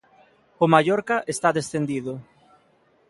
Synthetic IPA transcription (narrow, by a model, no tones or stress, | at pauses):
ʊmaʎɔɾkaʔest̪aðesθend̪iðʊ